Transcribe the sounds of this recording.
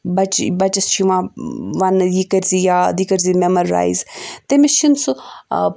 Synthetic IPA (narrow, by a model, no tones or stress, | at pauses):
bɐt͡ʃbɐt͡ʃɐst͡ʃʰiʋãʋanjikəɾzijaːd̪ikəɾzimɛməɾa̰ːizt̪emɪʃəns